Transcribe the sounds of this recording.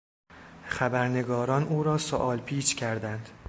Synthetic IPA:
xæbæɾne̞ɡɒːɾɒːnʔuːɾɒːsoʔɒːlpʰiːt͡ʃcʰæɾd̪ænd̪̥

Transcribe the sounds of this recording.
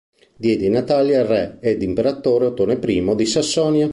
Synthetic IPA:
d̪jɛːd̪inat̪aljarɛɛd̪impeɾat̪ːoːɾeot̪ːoːnepɾiːmod̪isasːɔːnja

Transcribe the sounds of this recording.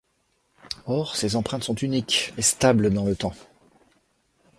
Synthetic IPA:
ɔʁsezɑ̃pχɛ̃t̪sɔ̃t̪ynikest̪abld̪ɑ̃lət̪ɑ̃

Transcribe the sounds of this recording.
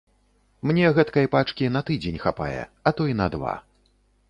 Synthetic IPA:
mnʲɛɣɛt̪kɐjpat͡ʂkʲin̪ɐt̪ɨd͡zʲenʲxapa̰jɛ̰ɐt̪ɔinɐd̪va̰

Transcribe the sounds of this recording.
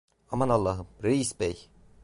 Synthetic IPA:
amanalˠːaːɦɯmɾeisbɛj

